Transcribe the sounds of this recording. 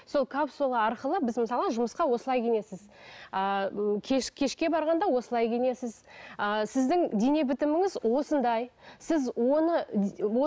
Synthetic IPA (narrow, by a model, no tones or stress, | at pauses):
so̞lˠkʰɑpsolˠəɑɾqəlˠəbɪzmɪsɑlˠʁəʒʊməsqɑwo̞səlˠɑjkʲʰene̞sɪz̥ | əkʲʰeʃkʲʰe̞ʃkʲe̞bɑɾʁɑnd̪ɑwo̞səlˠɑjkʲʰene̞sɪzəsɪzd̪ɪŋd̪ene̞bɪt̪ɪmɪŋɪzwo̞sənd̪ɑjsɪzwo̞nəwo